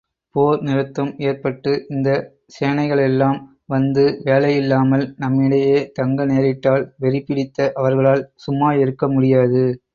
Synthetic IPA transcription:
poːɾnɪɾɯt̪ːɐmeːɾpɐʈːɯʔɪnd̪ɐ | seːɳɐɪɣɐɭɛlːaːm | ʋɐnd̪ɯʋeːlɐjɪlːaːmɐlnɐmːɪɽɐjeːt̪ɐŋɡɐneːɾɪʈːaːlʋɛɾɪpːɪɽɪt̪ːɐʔɐʋɐɾɣɐɭaːlsʊmːaːjɪɾɯkːɐmʊɽɪjaːðɯ

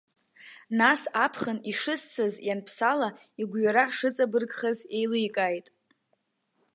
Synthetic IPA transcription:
nasapʰχəniʂɨst͡sʰɨzjanpʰsala | iɡʷɥaɾaʂɨt͡sʼabɨrɡʼχaze̞jlɨjkʼajtʼ

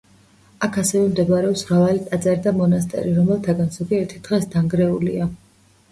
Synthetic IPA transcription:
akʰasɛvɛmd̪ɛbaɾɛɔpsvɾavalit̪ʼad̪zaɾid̪amɔnast̪ʼɛ̰ɾiɾɔmɛlˠt̪ʰaɡanz̥ɔɡiɛɾt̪ʰid̪̥ʁɛsd̪aŋɡɾɛulḭa

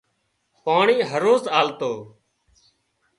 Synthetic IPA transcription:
paːɳiːɦəɾoːzaːlt̪oː

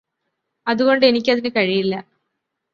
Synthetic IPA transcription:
ɐðuɣo̞ɳɖɨe̞nikʲːɐðinɨkɐɻijilːɐ

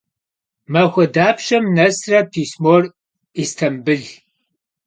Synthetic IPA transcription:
mɐxʷɐdaːpʰʃɐmnɐsrɐpʰiːsmor | istʰɐmbɨɮ

